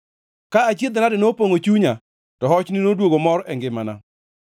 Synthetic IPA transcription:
kaat͡ʃjed̪nadɪnopoŋot͡ʃuɲa | tɔɦɔt͡ʃnɪnodwoɡomɔɾʔɛŋɡɪmana̰

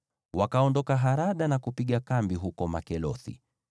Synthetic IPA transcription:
wakaɔndɔkaɦaɾaɗanakupiɠakambiɦukɔma̰kɛlɔθḭ

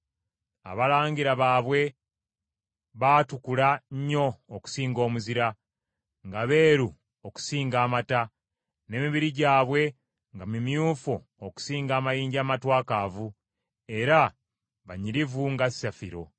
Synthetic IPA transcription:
a̰βalaːŋɡiɾaβaːβwe̞ | βaːtukulaɲɲo̞ːku̥siːŋɡo̞ːmuziɾa | ŋɡaβe̞ːɾu | oku̥siːŋɡaːmata | ne̞ːmiβiɾiɟaːβwe̞ | ŋɡamumjufo | oku̥siːŋɡaːmajiːɲɟaːmatwaːkavu | e̞ɾa | βaɲiɾivuŋɡasafiɾo̞

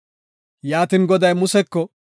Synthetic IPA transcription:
jaːt̪inɡɔd̪ɐjmʊsɛkːɔ

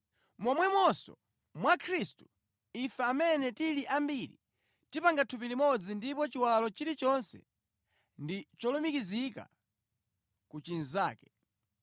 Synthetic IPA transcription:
mɔmwɛmwɔsɔ̰ | mwakʰɾistu̥ | ifɛamɛnɛtiliʔambiɾi | tipaŋɡatʰupilimɔd͡zindipɔt͡ʃiwalɔt͡ʃiɾit͡ʃɔnsɛ̰ | ndit͡ʃɔlumikizika̰ | kut͡ʃinzaːkɛ

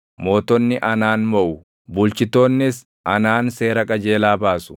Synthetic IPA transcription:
mo̞ːt̪ɔnːɪʔɐnaːnmɔʔʊ | bʊlt͡ʃɪt̪o̞ːnːɪs | ʔɐnaːnse̞ːɾɐkʼɐd͡ʒe̞ːlaːbaːsʊ̥

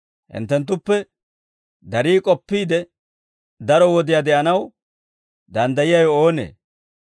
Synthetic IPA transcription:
hɪ̰nt̪ːɛnt̪̬ːʊpːɛ | d̪ɐɾiːkʼɔpːiːd̪ɛ | d̪ɐɾɔwɔd̪ɪjad̪ɛʔɐnɐw | d̪ɐnd̪ɐjɪjɐjɔoːnḛː

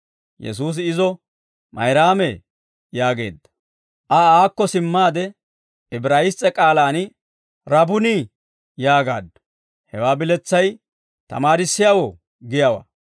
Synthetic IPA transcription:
jɛ̰s̬uːs̬ɪɪzɔ | mɐ̰jɾaːmɛ | jaːɡe̞̰ːd̪ːɐ̥ | ʔɐaːkːɔsɪmːaːd̪ɛ | ɪbɾaːjɪst͡sʼːɛkʼaːlaːn | ɾɐbʊniː | jaːɡa̰ːd̪ːɐ | hɛwaːbɪlɛt͡sːɐj | t̪ɐ̰maːɾɪsːɪjawo | ɡɪjawa̰

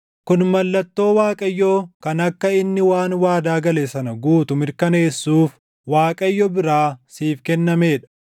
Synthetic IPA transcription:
kʊnmɐlːɐt̪ːo̞ːwaːkʼɐjːoːkɐnɐkːɐɪnːɪwaːnwaːd̪aːɡɐleːsɐnɐɡuːt̪ʊmɪɾkɐneːsːuːf | waːkʼɐjːɔbɪɾaːsiːfkɛnːɐme̞ːᶑɐ̥

